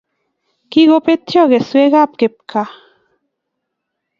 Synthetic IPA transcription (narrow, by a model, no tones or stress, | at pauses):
kiɣopet̪joɣesweɣap̚kep̚kʰa